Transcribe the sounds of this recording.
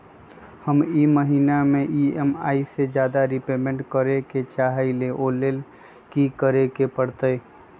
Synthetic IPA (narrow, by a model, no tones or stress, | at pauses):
həmiməɦinameʔiema̰ised͡ʒad̪aɾipemẽɳʈkəɾeket͡ʃaɦəɪleʔolel | kikəɾekepəɽt̪əj